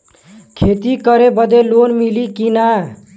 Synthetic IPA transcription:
kʰet̪ikəɾebəd̪elonmilikina

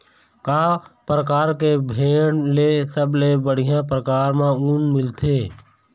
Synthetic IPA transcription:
kaːpɾəkaːɾkebʱeːɽlesəblebəɽ̤ijãpɾəkaːɾmãuːnmɪlt̪ʰeː

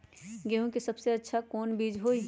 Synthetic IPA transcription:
ɡeɦũkisɐbseɐtːʃʰakɔːnbiːd͡ʒɦoːi

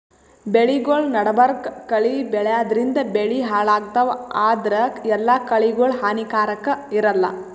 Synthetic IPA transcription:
beɭiɡoːɭnɐɽɐbɐɾkkɐɭibɛɭɛjaːd̪ɐɾind̪ɐbeɭiɦaːɭaːɡt̪ɐʋaːd̪ɐɾɐɛlːakɐɭiɡoːɭɦaːnikaːɾɐkːɐiɾɐlːɐ̰

